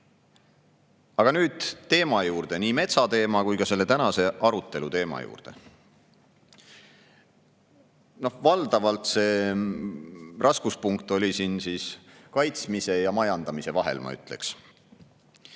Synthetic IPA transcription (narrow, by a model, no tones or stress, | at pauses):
ɑɡ̥ɑnyːd̪̥t̪ːe̞ːmɑjuːrd̪̥e̞niːme̞t̪sɑt̪e̞ːmɑkujkɑse̞lːe̞t̪ænɑse̞ʔɑɾut̪ˑːe̞lut̪e̞ːmɑ̰jṵːrd̪̥e̞̰ | no̞hvɑld̪ɑvɑlt̪se̞ː | rʔɑskuspuŋkt̪ˑo̞lʲisinsiːskɑjt̪smise̞jɑmɑjɑnd̪̥ɑmise̞vɑɦe̞̰lmɑ̰y̰t̪ˑle̞̰ks